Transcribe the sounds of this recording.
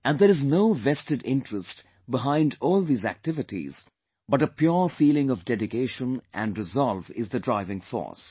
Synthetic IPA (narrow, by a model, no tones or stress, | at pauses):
ʔæ̃nd̪əɾɨznoʊvɛstɨɖɪ̰̃nʈɹəst | bɪɦãɪ̃ndɔːlˠd̪iːzæ̰k̚tɪvɪʈḭz̥ | bʌʈəpjuɹfiːlɪ̃ŋɔvdɛdɪkeɪʃə̃nʔæ̰̃nɾɨzɑlˠvɪzðədɹaɪvɪ̃ŋfɔ̰ɹs